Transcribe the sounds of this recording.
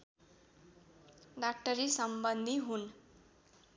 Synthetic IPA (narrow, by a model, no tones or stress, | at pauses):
ɖak̚ʈʌɾisʌmbʌnd̪ʱiɦun